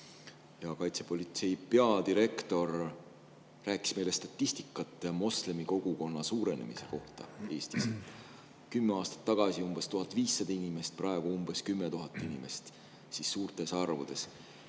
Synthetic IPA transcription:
jɑkɑjt̪se̞po̞lʲit̪se̞jpeɑd̪iɾe̞kt̪o̞rː | æːkːˑi̥sme̞jlest̪ɑt̪ːˑisʲt̪ikːˑɑt̪ːˑemo̞sle̞miko̞ɡ̥uko̞nːɑsuːɾe̞nḛmḭse̞ko̞ht̪ɑ̰e̞ːst̪is | kymːeɑːst̪ɑ̥t̪ːɑɡ̥ɑsiumb̥e̞st̪uɦɑt̪ːˑviːsːɑd̪̥ɑinime̞st̪̚prɑe̞ɡ̥uumb̥e̞skymːet̪uɦɑt̪ˑːinime̞st̪ | sisːuːrt̪e̞sɑrvṵd̪̥e̞s

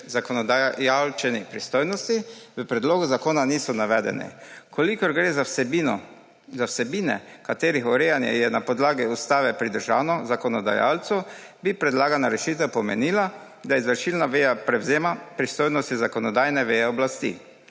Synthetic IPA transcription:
zakɔnɔd̪ajalt͡ʃɛnipɾist̪oːjnɔst̪iʋəpɾɛd̪loːɡuzakoːnaniːsɔnaʋɛd̪ɛ̰nɛ̰kʰɔlikɔɾɡɾeːzasi | zawsɛbiːnɛ̰kat̪eːɾixɔɾejanjɛ̰jɛnapɔd̪laːɡiust̪aːʋɛpɾid̪əɾʒa̰wnɔzakɔnɔd̪a̰ja̰lt̪subipɾɛd̪laːɡanaɾɛʃiːt̪̬ɛwpɔmɛ̰niːla | d̪aizʋəɾʃilnaʋeːjapɾɛwzeːmapɾist̪oːjnɔst̪izakɔnɔd̪ajnɛʋeːjɛɔblast̪ḭː

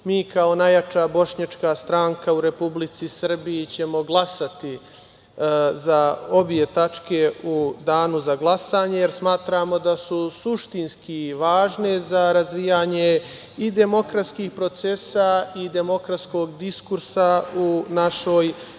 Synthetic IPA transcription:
miːkao̞najat͡ʃaːbo̞ʃɲat͡ʃkaːst̪ɾaːŋkauɾe̞publit̪sisr̩biːt͡ɕe̞mo̞ɡlˠasat̪i | zao̞bije̞t̪at͡ʂke̞ud̪aːnuzaɡlˠasaːɲejeɾsmaːt̪ɾaːmo̞d̪asusuʃt̪inskiʋaːʒne̞zaɾazʋiːjaːɲe | id̪e̞mo̞kɾat̪skiːxpɾo̞t̪sesaid̪e̞mo̞kɾat̪sko̞ːɡd̪iskuɾsaunaʃoːj

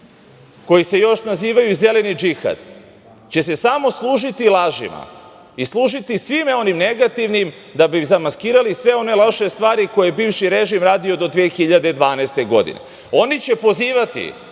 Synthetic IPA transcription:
ko̞jise̞jo̞ʃnaziːʋajuize̞le̞nid͡ʒixa̰d̪̥ | t͡ɕe̞s̬e̞samo̞slˠuːʒit̪ilaːʒḭma̰ | islˠuːʒit̪isʋimeo̞nimne̞ɡat̪iʋnim | d̪abizamaskiːɾalisʋe̞o̞ne̞lˠoʃe̞st̪ʋaːɾiko̞jeebiːʋʃiɾe̞ʒimɾaːd̪io̞d̪o̞d̪ʋiexiʎad̪e̞d̪ʋaːnɛst̪e̞ɡo̞d̪ḭne̞̰ | o̞nit͡ɕe̞po̞ziːʋat̪ḭ

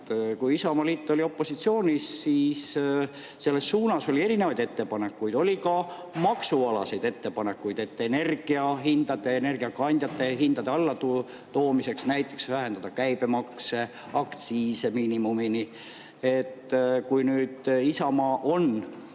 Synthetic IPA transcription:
kujisɑmɑliːt̪ːˑo̞lʲio̞pːo̞sit̪sio̞ːnʲisːiːs | se̞lːe̞sːuːnɑso̞lie̞ɾine̞vɑjd̪e̞t̪ːe̞pɑne̞kːˑujd̪̥o̞lʲikɑ | mɑksuɑlɑse̞jd̪e̞t̪ːe̞pɑne̞kːˑujd̪e̞t̪ːe̞ne̞rɡ̥iɑɦind̪̥ɑd̪̥e̞ːne̞rɡiɑkɑnʲd̪̥ʲjɑt̪ːe̞ɦind̪̥ɑd̪eɑlːɑt̪u | t̪o̞ːmise̞ksnæjt̪ːˑe̞ksvæɦe̞nd̪̥ɑd̪ɑkæjb̥e̞mɑkse̞ | ɑkt̪siːsemiːnimumini | e̞t̪ːkujnyːd̪̥isɑmɑːʔo̞n

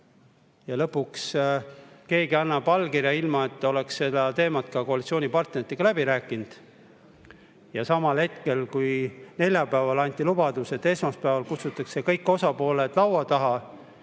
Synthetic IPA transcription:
jɑlɤpːuks | ke̞ːɡiɑnːɑb̥ɑlːkiɾjɑilmɑe̞t̪ːˑo̞le̞ksːe̞d̪ɑt̪e̞ːmɑt̪kɑko̞ɑlit̪sio̞ːnʲipɑrt̪neɾit̪ːˑiɡ̥ɑlæb̥iɾæːkːˑind̪̥ | jɑsɑmɑlhe̞t̪ke̞lkujne̞lʲjɑpæːvɑlɑnʲt̪ʲːˑilub̥ɑd̪̥use̞t̪ːˑe̞smɑspæevɑlkut̪sut̪ːˑɑkse̞kɤjkːˑo̞sɑpo̞ːleːt̪ˑlɑwɑt̪ɑɦɑ

